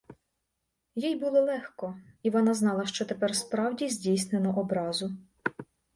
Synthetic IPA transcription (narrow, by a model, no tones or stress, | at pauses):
jijbulˠɔlˠɛxkɔiʋɔnɑznɑlˠɐʃt͡ʃɔt̪epɛrspɾɑwdʲizʲdʲijsnenɔʔɔbɾɑzʊ